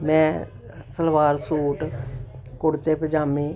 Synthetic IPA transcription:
mɛ̃ː | səlʋaːɾsuːʈ | kʊɽt̪eːpəd͡ʒaːmẽː

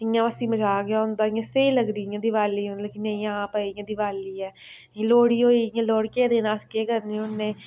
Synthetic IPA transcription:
ɪjãʋəsĩːməd͡ʒaːɡjaːʊnd̪aːɪjãːseiləɡd̪iːjãːd̪ɪʋaːliːõnd̪leːkinẽĩːãːpəijãːd̪ɪʋaːliːɛ̃ː | loːɽiːɦoːiːjãːloːɽkeːd̪eːnãːskeːkəɾnĩʊnːẽː

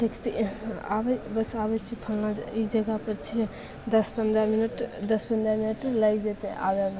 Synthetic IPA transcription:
ʈʰikt̪ia̰bɛbəsabɛt͡ʃʰipʰəlnaid͡ʒəɡapəɾt͡ʃʰi | d̪əspənd̪ɾaminəʈd̪əspənd̪ɾaminəʈlajd͡ʒet̪eʔa̰ban

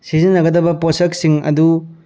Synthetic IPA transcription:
sizinːɐɡɐdɐbɐposɐksiŋɐ̰du

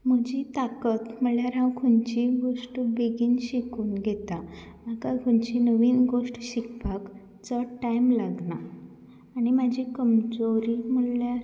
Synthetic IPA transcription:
m̤əd͡ʑit̪akət̪məɭjaɾãwkʰuɲt͡ɕiɡoʂʈbeɡiːnɕikuːnɡʱet̪a | akakʰuɲt͡ɕinəʋiːnɡoʂʈɕikbak | t͡səʈajmlaɡnaː | nimad͡ʑʱikəmd͡zoɾim̤əɭa

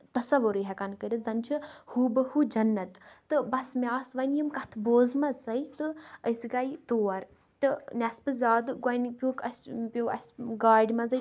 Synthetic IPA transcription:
t̪ɐsɐʋuɾɨɦɛkɐnkəɾʲit̪zɐnt͡ʃʰɨhubɐhud͡ʒɐnːɐt̪t̪ɨbɐsmʲaːsʋɐjnjimkɐt̪ʰboːzmɐt͡sɐjt̪ɨəsɡait̪oːɐɾ | t̪ɨnʲɐspɨzaːd̪ɨɡɐjnpʲjuːkɐsʲpʲjoːɐ̰sʲɡaːɖʲmɐzɐ

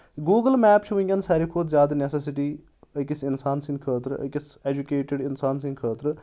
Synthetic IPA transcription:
ɡuːɡəlmɛːp̚t͡ʃʰiʋuĩŋʲɡʲɐnsɐːɾikʰoːt̪zʲjaːd̪ɐneses̬iʈiː | əkisinsaːnsĩnkʰəːt̪ɾɨɐ̰kiseːd͡ʒukeːʈeɖinsaːns̬ĩnɡ̪kʰəːt̪ɾ

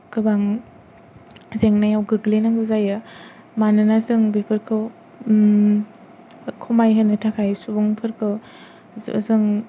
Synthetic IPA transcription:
kɯbaŋ | zeŋnajawɡɯɡlenaŋɡɯzajɯ | manɯnazɯŋbipʰɯɾkʰɯw | kʰɔmajɦanɯtʰakʰajsubɔŋpʰɯɾkʰɯw | zɯŋ

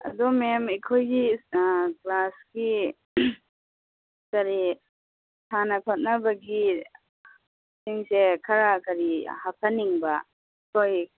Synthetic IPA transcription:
ɐ̰dumemikʰojɡi | klasɡi | kɐɾi | tʰanɐpʰot̚nɐbɐɡi | siŋsekʰɐɾakɐɾihapʰaniŋbɐ | kʰoj

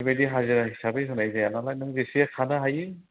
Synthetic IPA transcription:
bajdiɦaziɾaɦisabejɦɯnajzajanalajnɯŋzesiakʰanaɦajɯ

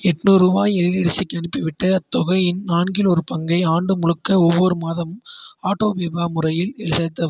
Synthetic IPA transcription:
ɛʈnuːɾuːbaːjɛɻɪðɪɽɪsɐkːɐɳɪpːɪʋɪʈːɐɐt̪ːɔɣɐjɪnnaːnɡɪlɔɾɯpɐŋɡɐɪaːɳɖɯmʊɻɯkːɐɔʋːɔɾɯmaːðɐmaːʈːoːʋeːbaːmʊrɐjɪlɛlɪsɐt̪ːɐ

